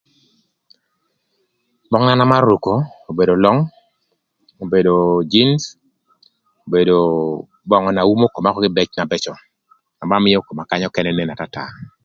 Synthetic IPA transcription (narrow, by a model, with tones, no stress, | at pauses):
bɔ˦ŋna˦na˦ma˦ru˨ko˨o˨be˨do˨lɔ˦ŋ | o˨be˨do˨d͡ʒi˦ns | o˨be˨do˨ | bɔ˨ŋɔ˨na˨u˦mo˦ko˨ma˦kɔ˦ɡɪ˦bɛ˦t͡ʃna˨bɛ˦t͡ʃɔ˨ | na˨ma˦mɪ˦jɔ˦ko˨ma˨ka˦ɲɔ˦kɛ˦nɛ˦ne˦na˨ta˦ta̰˨